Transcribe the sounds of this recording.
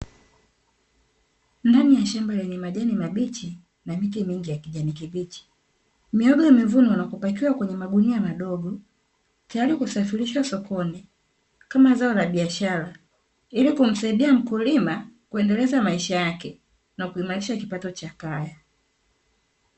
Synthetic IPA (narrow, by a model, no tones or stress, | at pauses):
ndanijaʃambalɛɲɛmaʄanimaɓit͡ʃi | namikimiŋɡijakiʄanikiɓit͡ʃi̥ | miɔɡɔmivunɔunapɔpakiwakwɛɲɛmaɡuniamaɗɔɡɔ | tajaɾikusafiɾiʃwasɔkɔni | kamazaɔlaɓiaʃaɾa | ilikum̩saiɗiam̩kulimakuɛndɛlɛzamaiʃajakɛ | nakuimaɾiʃakipatɔt͡ʃakaja